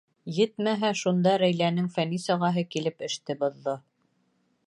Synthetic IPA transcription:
jɘt̪mæɦæʃund̪ɑɾæjlænɘŋfænisɑʁɑɦɤkilɘpɘ̆ʃt̪ɘbŏðːɤ

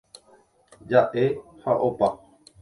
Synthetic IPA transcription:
d͡ʒaʔehaʔopa

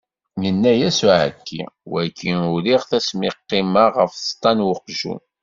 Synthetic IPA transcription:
jənːæjæsuʕə̰kːḭwækʰːinʊɾiʁθæsmɪqːimaʁəfθst̪ˤːɑnwəqʒṵn

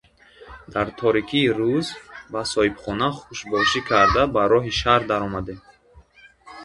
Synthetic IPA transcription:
d̪̥aɾt̪ʰɔɾikʰiːɾuzbasɔhibχɔnaχuʃbɔʃikʰaɾd̪abaɾɔɦiʃaɾd̪aɾɔmad̪em

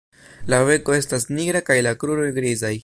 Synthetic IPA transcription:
lave̞ko̞e̞stasniɡɾakajlakɾuɾo̞jɡɾizaj

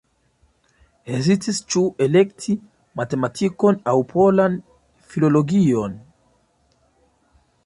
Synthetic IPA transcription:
ezitist͡ʃue̞le̞ktʰi | mate̞matʰiko̞nawpʰo̞lan | filo̞loɡio̞n

